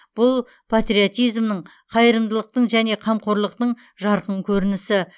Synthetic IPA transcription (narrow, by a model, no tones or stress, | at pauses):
b̥ʊlˠ | pʰat̪rʲiot̪ijzmnəɴ | qʰɑjəɾəmd̪əlˠəq̚t̪əɴʒæne̞qʰɑmqʰoɾlˠəq̚t̪əɴ | ʒɑɾqəɴkʲʰɵɾɪnɪsɪ